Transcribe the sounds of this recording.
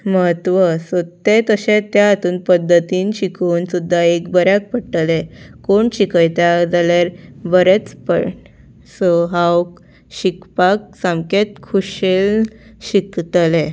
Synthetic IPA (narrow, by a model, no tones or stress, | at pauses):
məɦət̪ʋəsot̪et̪əɕẽt̪jaːt̪uːnpəd̪ʱːət̪iːnɕikʰuːnsud̪ʱːaekbəɾjak̚pəɽʈəlekoɳɕikʰəjt̪jad͡zalaɾbəɾet͡spə̰ɽ | soɦawk | ɕikpak̚sãmket̪̚kʰuɕelɕikt̪le